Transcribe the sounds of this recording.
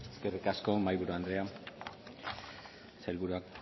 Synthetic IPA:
skerekaskomajβuɾuand̪ɾea | sajlβuɾuak̚

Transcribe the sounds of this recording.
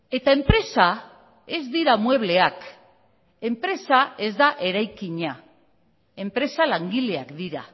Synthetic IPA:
e̞t̪ae̞mpɾe̞sa | e̞zd̪iɾamwe̞β̞le̞ak | e̞mpɾe̞sae̞zd̪aʔe̞ɾajkiɲa | e̞mpɾe̞salaŋɡile̞akd̪iɾa̰

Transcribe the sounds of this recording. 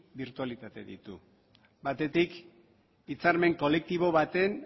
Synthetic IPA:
biɾt̪ualit̪at̪e̞̰ðḭt̪ṵ | bat̪e̞t̪ik | it͡saɾme̞ŋko̞le̞k̚t̪iβ̞o̞βat̪e̞n

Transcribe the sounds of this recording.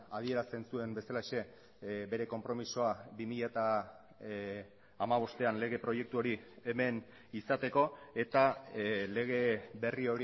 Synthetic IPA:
að̞ie̞ɾast̪e̞nsue̞mbe̞salaʃe̞ | be̞ɾe̞ko̞mpɾo̞miso̞abimiʎat̪a | maβ̞o̞st̪e̞anle̞ɣ̞e̞pɾo̞je̞k̚t̪uo̞ɾieme̞n | isat̪e̞ko̞e̞t̪ale̞ɣ̞e̞βe̞rio̞ɾ

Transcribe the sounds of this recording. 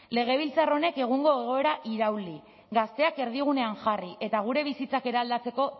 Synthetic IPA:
le̞ɣ̞e̞βilt͡saro̞ne̞ke̞ɣ̞uŋɡo̞eɣ̞o̞e̞ɾaʔiɾawli | ɡast̪e̞ake̞ɾð̞iɣune̞aŋʝariʔe̞t̪aɣ̞uɾe̞βisit͡sake̞ɾeald̪at͡se̞ko̞

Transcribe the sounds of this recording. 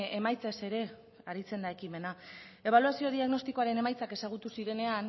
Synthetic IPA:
emajt͡sese̞ɾe̞ | aɾit͡se̞nd̪ae̞kime̞na | e̞β̞aluasio̞ðiaɣno̞st̪iko̞aɾe̞ne̞majt͡sake̞saɣ̞ut̪usiɾe̞ne̞an

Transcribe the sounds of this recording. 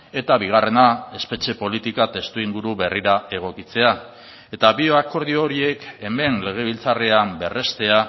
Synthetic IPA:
e̞t̪aβiɣ̞are̞nae̞spe̞t͡ʃe̞po̞lit̪ikat̪e̞st̪uiŋɡuɾuβe̞riɾae̞ɣ̞o̞kit͡se̞a | e̞t̪aβioako̞ɾð̞ioɾie̞ke̞me̞nle̞ɣ̞e̞β̞ilt͡sareambe̞re̞st̪e̞a

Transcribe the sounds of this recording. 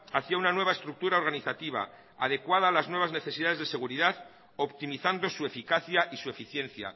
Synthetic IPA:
aθiaunanwe̞βae̞st̪ɾuk̚t̪uɾaoɾɣ̞aniθat̪iβa̰ | a̰ð̞e̞kwað̞aːlaznwe̞β̞azne̞θe̞siðaðe̞zðe̞se̞ɣ̞uɾiðað | o̞pt̪imiθand̪o̞sue̞fikaθjaʔisue̞fiθje̞nθja̰

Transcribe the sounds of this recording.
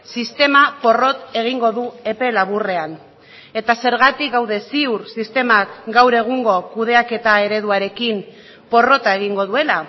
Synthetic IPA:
sist̪e̞mapo̞ro̞t̪e̞ɣ̞iŋɡo̞ðue̞pe̞laβ̞ure̞an | e̞t̪ase̞ɾɣat̪ikɡawðe̞siuɾsist̪e̞makɡawɾe̞ɣ̞uŋɡo̞kuð̞e̞ake̞t̪ae̞ɾe̞ðuaɾe̞kim | po̞ro̞t̪ae̞ɣ̞iŋɡo̞ðue̞la

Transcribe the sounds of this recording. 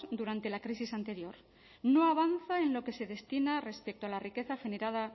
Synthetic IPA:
d̪uɾant̪e̞lakɾisisant̪e̞ɾjo̞ɾ | no̞aβ̞anθaenlo̞ke̞se̞ðe̞st̪inare̞spek̚t̪oalarike̞θaxe̞ne̞ɾað̞a

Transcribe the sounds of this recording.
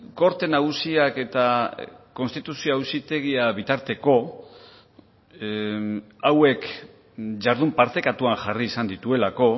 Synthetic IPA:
ko̞ɾt̪e̞naɣ̞usiake̞t̪ako̞nst̪it̪usioawsit̪e̞ɣiaβit̪aɾt̪e̞ko̞ | awe̞k | ʝaɾðumpaɾt̪e̞kat̪uaŋʝariːsand̪it̪ue̞lako̞

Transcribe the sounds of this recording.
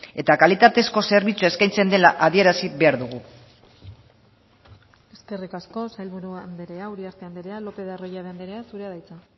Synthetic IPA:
e̞t̪akalit̪at̪e̞sko̞se̞ɾβ̞it͡suae̞skajnt͡se̞nd̪elaʔaðie̞ɾasiβe̞aɾðuɣ̞u | e̞ske̞rikasko̞sajlβuɾuand̪eɾeauɾiaɾt̪eand̪eɾealo̞pe̞ðarojaðeand̪eɾeasuɾeaðajt͡sa

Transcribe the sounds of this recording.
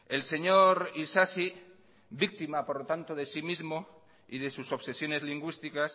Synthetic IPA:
e̞lse̞ɲoɾisasi | bik̚t̪imapoɾlot̪ant̪oðe̞simizmo | iðe̞suso̞βse̞sjo̞ne̞zliŋɡwist̪ikas

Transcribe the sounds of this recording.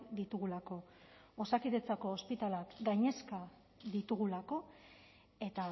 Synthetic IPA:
d̪it̪uɣulako̞ | osakiðe̞t͡sako̞ːspit̪alakɡajɲe̞ska | ðit̪uɣulako̞ | e̞t̪a

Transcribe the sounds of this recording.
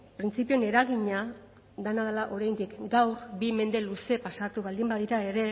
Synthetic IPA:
pɾint͡sipio̞ne̞ɾaɣiɲa | ðenaðelaʔo̞ɾajnd̪ikɡawɾbime̞nd̪e̞luse̞pasat̪uβald̪imbaðiɾae̞ɾe̞

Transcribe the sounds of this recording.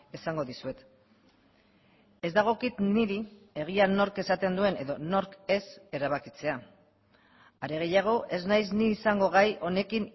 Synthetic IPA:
e̞saŋɡo̞ðisue̞t̪ | e̞zd̪aɣ̞o̞kit̪niɾi | e̞ɣ̞iano̞ɾke̞sat̪e̞nd̪ue̞ne̞ðo̞no̞ɾke̞se̞ɾaβ̞akit͡se̞a | aɾe̞ɣ̞e̞jaɣ̞o̞ʔe̞znajzniːsaŋɡo̞ɣ̞ajʔo̞ne̞kin

